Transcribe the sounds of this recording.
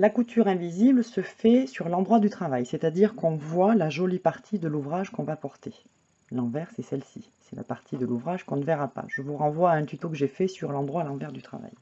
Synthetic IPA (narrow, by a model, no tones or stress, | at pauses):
lakut̪yʁɛ̃vizibləsəfɛsyʁlɑ̃d̪ʁwad̪yt̪χavajsɛt̪ad̪iʁkɔ̃vwalaʒolipaʁt̪ʰid̪əluvʁaʒkɔ̃vapɔʁt̪e | lɑ̃vɛʁsɛsɛlsḭ | sɛla̰paʁt̪ʰid̪əluvʁaʒkɔ̃nəvɛʁapa̰ʒ̥əvuʁɑ̃vwaːɛ̃t̪yt̪okəʒefɛsyʁlɑ̃d̪ʁwalɑ̃vɛʁd̪yt̪χa̰va̰j